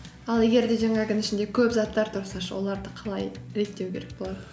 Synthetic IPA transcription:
ɑlˠe̞ɡʲe̞ɾd̪e̞ʒɑŋɑɡʲɪnɪʃɪnd̪e̞kʲʰɵpzɑt̪ːɑɾt̪ʰʊɾsɑʃwo̞̰lˠɑɾd̪əqʰɑlˠɑjɾe̞t̪ːe̞wkʲʰe̞ɾe̞k̚bo̞lˠɑd̪ə

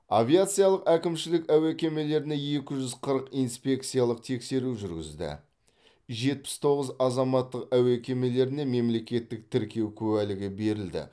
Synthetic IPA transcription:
avʲijat̪sɨjalˠəqækʲɪmʃɪlɪkæwækʲe̞me̞le̞ɾɪne̞je̞kʲɪʒʏzqʰəɾəqijnspʲe̞kt̪sɨjalˠəq̚t̪ʰe̞kse̞ɾuʒʏɾɡʲɪ̰zd̪ɪ̰ | ʒe̞t̪̚pɪ̥st̪ʰo̞ʁəzɑzɑmɑt̪ːəqæwækʲe̞me̞le̞ɾɪne̞me̞mle̞kʲe̞t̪ːɪk̚t̪ʰɪɾkʲe̞wkʲʰɵwælɪɡʲɪbe̞ɾɪld̪ɪ̰

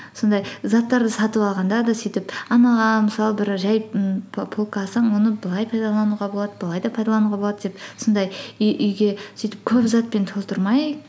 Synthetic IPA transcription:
sond̪ɑjzɑt̪ːɑɾd̪əsɑt̪əpɑlˠʁɑnd̪ɑd̪ɑsijt̪ɪpɑnɑʁɑməsɑlˠəbɪɾʒæjʰpʰolˠkɑsɑɴwo̞nəbɨlˠɑjpʰɑjd̪ɑlˠɑnuʁɑbo̞lˠɑd̪əbəlˠɑjd̪ɑpʰɑjd̪ɑlˠɑnuʁɑbo̞lˠɑd̪d̪epso̞nd̪ɑjʏjʔʏjɡʲe̞sijt̪ɪp̚kʲʰɵpzɑt̪̚pe̞nt̪ʰolˠt̪əɾmɑj

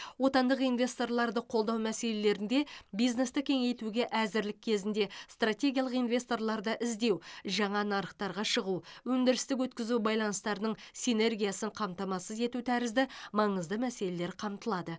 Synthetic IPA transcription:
wo̞t̪ɑnd̪əqijnvʲe̞st̪o̞rlˠɑɾd̪əqʰo̞lˠd̪ɑwmæse̞le̞le̞ɾɪnd̪e̞bijzne̞st̪əkʲʰe̞ŋe̞jt̪uɡʲe̞ʔæzɪɾlɪkʲʰːe̞zɪnd̪e̞st̪rat̪ʲe̞ɡʲijɑlˠəqijnvʲe̞st̪o̞rlˠɑɾd̪əʔɪzd̪e̞wʒɑɴɑnɑɾəqt̪ɑɾʁɑʃəʁuwɵnd̪ɪɾɪst̪ɪk̬wɵt̪kʲɪzubɑjlˠɑnəst̪ɑɾənəɴsine̞rɡʲijasəɴqʰɑmt̪ɑmɑsəze̞t̪ut̪ʰæɾɪzd̪ɪmɑɴəzd̪əmæse̞le̞le̞ɾqʰɑmt̪əlˠɑd̪ə

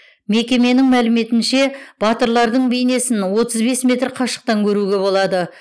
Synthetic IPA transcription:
me̞kʲe̞me̞nɪŋmælɪme̞t̪ɪnʃe̞b̥ɑt̪əɾlˠɑɾd̪əɴbejne̞sɪnwo̞t̪əzbe̞smʲe̞t̪rqʰɑʃə̥q̚t̪ɑŋkʲʰɵɾuɡʲe̞βo̞lˠɑd̪ə

